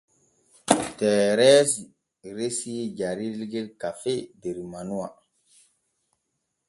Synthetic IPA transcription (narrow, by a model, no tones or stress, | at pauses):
tɛːɾɛːsi | ɾesijed͡ʒaɾilɡelkafedeɾimanuwa